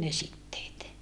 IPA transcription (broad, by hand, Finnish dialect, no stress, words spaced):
ne sitːeːt